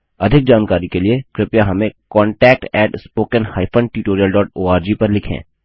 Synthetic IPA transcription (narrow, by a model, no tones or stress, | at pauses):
ɐd̪ʱɪk̚d͡ʒaːnkaːɾikeliekɾɪpjaɦɐmẽkɔ̃ːɳʈɛːk̚ʈɛːʈspoːkənhaːɪpʰə̃ɳɖ̚ʈuʈoːɾiəlɖɔːʈoːaːɾd͡ʒiːpɐɾlɪkʰḛ̃ː